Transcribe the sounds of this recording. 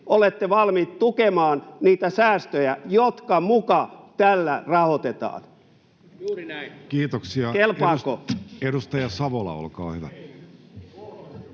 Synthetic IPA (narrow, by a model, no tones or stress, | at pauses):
olet̪ːeʋɑlmiːt̪t̪ukemɑːnniːt̪æsæːst̪øjæjot̪kɑmukɑt̪ælːærɑhot̪et̪ɑ̰ːn | kiːt̪oksiɑkelpɑːkoedust̪ɑjɑsɑʋolɑ̰o̰lkɑ̰ːhyʋæ